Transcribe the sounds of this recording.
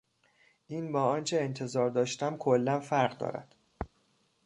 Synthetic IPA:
ʔiːnbɒːɒːnt͡ʃʰe̞ent̪ʰe̞zɒːɾd̪ɒːʃt̪æmkʰolːænfæɾɣd̪ɒ̰ːɾæ̰d̪̥

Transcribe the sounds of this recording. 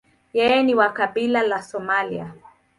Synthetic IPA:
jɛjɛniwakaɓilalasɔmalḭa

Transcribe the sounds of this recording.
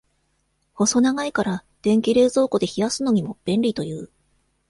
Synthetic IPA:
ho̞so̞naɡaikaɾa | d̪̥ẽ̞ŋkʲiɾe̞ːzo̞ːko̞d̪e̞çijasɨno̞ɲ̟imo̞b̥ẽ̞nɾʲit̪o̞jɯ̟ː

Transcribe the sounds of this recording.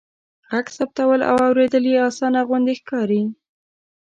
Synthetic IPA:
ɣaɡsap̚t̪awəla̰wɑwɾed̪əljeɑsɑnaɣwand̪exkɑɾi

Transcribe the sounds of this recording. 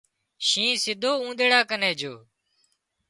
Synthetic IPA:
ʃĩːsɪd̪ʱoːũːd̪eːɽaːkəneːd͡ʒoː

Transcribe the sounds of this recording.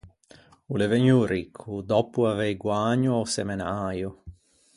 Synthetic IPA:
uleveɲːuɾikʰːud̪ɔpuavɛjɡwaɲːuawsɛmenaːju

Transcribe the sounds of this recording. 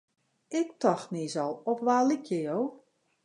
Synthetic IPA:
ɪk̚tɔxniːzɔlˠɔpʋaːlikʰjəjow

